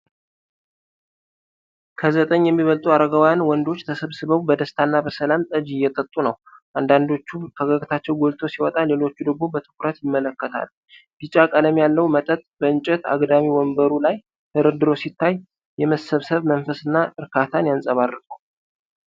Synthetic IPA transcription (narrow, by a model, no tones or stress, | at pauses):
kʰəzət̪ʼəɲːjɛmːiβəlt̪ʼuaɾəɡawjanwɔnd̪o̞t͡ʃːt̪ʰəsəβsɨβəwbəd̪əst̪ʰanːabəsəlamt̪ʼəd͡ʒijːɛt̪ʼət̪ʼːunəw | ʔand̪and̪o̞t͡ʃːufʰəɡaɡt̪ʰat͡ʃːɛwɡo̞lt̪ʰo̞siwɔt̪ʼale̞lo̞t͡ʃːud̪əɡmo̞bət̪ʰɨ̥kʰʼʊɾət̪jɪmːələkːət̪ʰa̰l | ɡɨt͡ʃʼakʼələmjalːəwmət̪ʼət̪ʼbəɨnt͡ʃʼɛt̪a̰ɡd̪amiwɔmbəɾulaj | hʰəɾɨd̪ɨɾo̞sit̪ʰːaj | jɛməsəβsəβmənfəsɨnːaʔɨɾkʰat̪ʰanjansʼəβarːɨt̪ʼu